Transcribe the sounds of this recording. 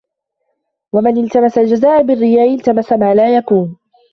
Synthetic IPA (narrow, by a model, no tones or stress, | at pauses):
wamɪnɪlt̪amasald͡ʒazaːʔbɪrːɪjaːʔɪlt̪amasamaːlaːjakuːn